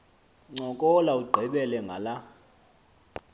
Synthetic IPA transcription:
ŋ͡ǀɔkʼɔlauɡ͡ǃʱɛɓɛlɛŋɡʱala

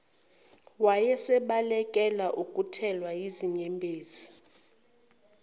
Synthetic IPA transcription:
wajɛsɛɓalɛkʼɛlaʔukʼutʰɛlwajiziɲɛmbʱeːzi

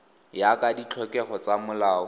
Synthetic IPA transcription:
jakadit͡ɬʰɔkɛχɔt͡samʊlaːɔ

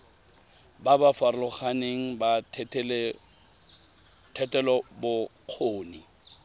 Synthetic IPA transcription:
babafaɾlʊχaneŋ̩batʰtl | tʰɛtʼɛlɔbʊq͡χʰoːni

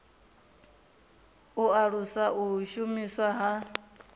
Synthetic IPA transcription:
uaɺusaʔuʃumiswaɦa

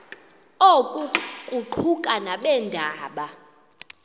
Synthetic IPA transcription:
okʼukʼuǃʰukʼanaɓɛndʱaːɓa

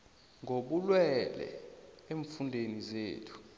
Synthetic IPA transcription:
ŋʱoɓulwɛlɛ̰ | eɱfundʱenizeːtʰu̥

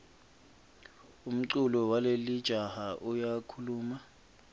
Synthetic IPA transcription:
um̩ǀulɔwalelid̥ʒ̥ʱahaʔujakʰuluːma

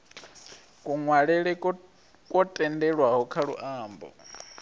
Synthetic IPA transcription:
kʼuŋwaɺɛɺɛ | kʼɔtʼɛndɛɺwaɦɔkʰaɺṵʔaːmbɔ̰

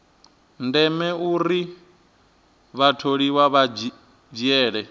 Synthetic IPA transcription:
ndɛmɛuɾi | βatʰoɺiwaβad͡ʒ | d͡ʒjɛːɺɛ

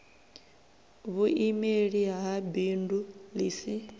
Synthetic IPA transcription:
βuʔimeɺiɦaɦabindulisi

